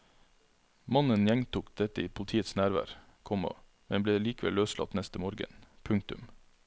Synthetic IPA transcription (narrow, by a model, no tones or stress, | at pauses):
mɑnənjɛŋt̪uːkd̪ɛt̪əiːpʰʊlət̪ʰiːət̪snæːɾʋæ̰ːɾ | kʰɔmɑ̰ | mɛnbleːliːkəʋɛ̰løːslɑ̰t̪nɛst̪əmoːɾɡə̰npʰʉŋk̚t̪ʉm